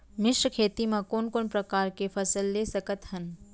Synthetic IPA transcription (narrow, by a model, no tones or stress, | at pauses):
mɪʃəkʰeːt̪imãkoːnkoːnpɾɐkaːɾkefʰɐsəlːeːsəkət̪hɐn